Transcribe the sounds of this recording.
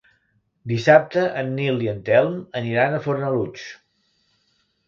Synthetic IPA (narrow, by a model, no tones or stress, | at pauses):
d̪isap̚t̪əʔənːiliənt̪ɛlˠməniɾanəfoɾnəlut͡ʃ